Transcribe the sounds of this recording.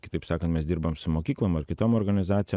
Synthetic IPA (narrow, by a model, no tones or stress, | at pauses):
kʲɪ̥t̪ɐɪpsɑːkɐnt̪mʲɛsd̪ʲɪɾbɐmsʊmoːkʲiːklˠomɐɾkʲɪt̪oːmoːɾɡɐnʲɪzɑːt̪sʲɪjɛ